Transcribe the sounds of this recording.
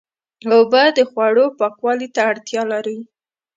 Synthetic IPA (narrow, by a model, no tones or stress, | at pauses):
obad̪əxwaɽopɑkwɑlit̪aːɽt̪jɑlaɾə